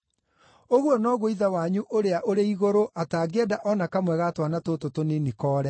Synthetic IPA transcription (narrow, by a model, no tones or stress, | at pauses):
oɣwɔnɔɣoiðawaɲuʔoɾeaʔoɾeiɣoɾoʔataːɡɛdaʔɔnakamwɛɣatwanatototonenikɔːɾɛ